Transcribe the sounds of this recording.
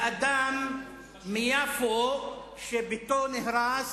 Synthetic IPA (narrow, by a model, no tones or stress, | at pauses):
ɐd̪aːmː | ijafo | ʃebʱit̪oneɦɾaːs